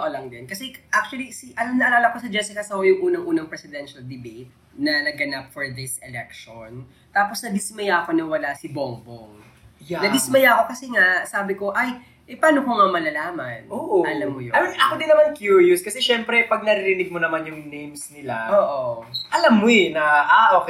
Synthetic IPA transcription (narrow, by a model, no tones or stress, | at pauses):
oʔɐlɐŋd̪ɐnkɐsɛʔak̚t͡ʃuwɐlisiʔɐlamnɐʔɐlaːlɐkosɐd͡ʒɛsɪkɐsɐhojʊŋʔuːnɐŋʔuːnɐŋpɾɛsɪd̪ɛnʃɐld̪ɪbet̪̚ | nɐnɐɡɡɐnapfoɹd̪ɪsɛlɛk̚ʃon | t̪aːposnɐd̪ɪsmɐjaʔko̞nɐwɐlasɪboŋboŋ | janɐd̪ɪsmɐjaʔko̞kɐsɛŋaʔsaːbɪko̞ʔaj | ʔɛpaːnokoŋamɐlɐlaːmɐ̰nʔoːʔʔɐlɐmːojoaminʔɐkod̪ɪnːɐmankjuɹjʊskɐsɛʃɛmpɾɛpɐɡ̚nɐɾɪɾɪnɪɡ̚monɐmanjʊŋnejmsnɪlaoːʔoʔɐlamːoɛnɐʔaʔok